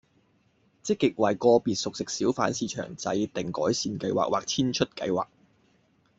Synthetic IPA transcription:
t͡sɪ˥kːɪ˨k̚wɐ˨jkɔː˧piː˨t̚sʊ˨k̚sɪ˨k̚siː˨˥wfaː˨˥nsiː˨˧t͡ʃʰœ̰ː˨˩ŋt͡sɐ̰˨˧jt̪ɪ˨˩ŋkɔː˨˥jsiː˨˧nkɐ˧jwa̰ː˨k̚wʔaː˨k̚t͡sʰiː˥nt͡ʃʰɵ˥t̚kɐ̰˧jwa̰ː˨˩k̚

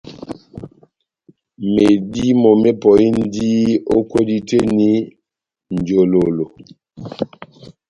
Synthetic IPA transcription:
me˨di˦mɔ˨me˦pɔ˨i˦n̩˦di˦o˦kwo˦di˦te˦ni˦ | n̩˨d͡ʒo˨lo˨lo˨

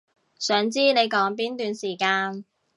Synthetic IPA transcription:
sœː˨˥ŋt͡siː˥ne˨˧jkɔː˨˥ŋp̬iː˥nt̪yː˨nsiː˨˩kaː˧n

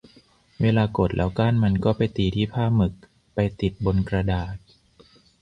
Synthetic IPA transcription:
weː˧laː˧ko˨˩t̪̚lʔɛː˦˥wkaː˥˩˨nma˧nkɔː˥˩pa˧jt̪iː˧˩t̪ʰiː˥˩pʰaː˥˩mɯ˨˩k̚ | pa˧jt̪i˨˩t̪̚bo˧nkɾa˧daː˨˩t̪̚

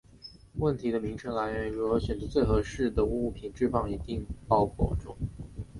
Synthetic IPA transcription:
wə˥˩nt̪ʰi˧˥d̪ə˧mi˧˥ŋʈ͡ʂʰɤ˧˥ŋla˧˥ɪɥɛ˧˥nɻu˧˥ɤ˧˥ɕjɥɛ˨˩nd͡zɤ˧˥t͡swe˥˩ɪxɤ˧˥ʂɻ̩˥˩d̪ə˩u˧˥˩pʰi˨˩nʈ͡ʂɻ̩˥˧fɑ˥˩ŋi˧˥t̪i˥˧ŋpɑ˥ʊkʰwɔ̰˥˩ʈ͡ʂʊ̰˥˩˦ŋ

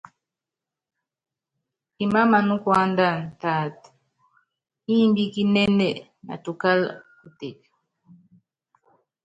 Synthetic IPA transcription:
i˨ma˦ma˨nu˦kwa˦nda˦˨n̩˨ta˨t | i˦mbi˦ki˦nɛ˦nɛ˨ | na̰˨tu˨ka˦l | u˨tɛ˨ka˨

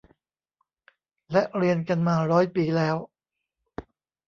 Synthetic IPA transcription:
lɛ˦˥ʔɾi˧ənka˧nmaː˧ɾɔː˦˥jpiː˧˩lɛː˦˥w

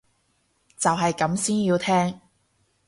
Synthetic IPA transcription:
t͡sɐ˨wɦɐ˨jkɐ˨˥msiː˥njiː˧wt̪ʰɛː˥ŋ

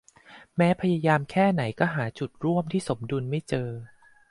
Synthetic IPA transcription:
mɛː˦˥pʰa˧ja˧jaː˧mkʰɛː˥˩na˩˦jkɔː˥˩ɦaː˩˦t͡ɕu˨˩t̪̚ɾu˥˩əmt̪ʰiː˥˩so˩˦mdu˧nma˥˩jt͡ɕɤː˧

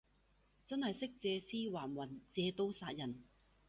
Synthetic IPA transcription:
t͡sɐ˥nhɐ˨jsɪ˥k̚t͡sɛː˨˧siː˥waː˨˩nwɐ˨˩nt͡sɛː˨˧t̪o˧˥wsaː˧t̚jɐ˨˩n

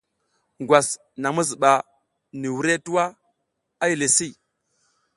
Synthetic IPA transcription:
ŋɡwa˨s | na˨mu˦zi˨ɓa˨ | ni˨wu˨˦ɾe˦tu˦wa˦ | a˦ji˨le˨si˦˨

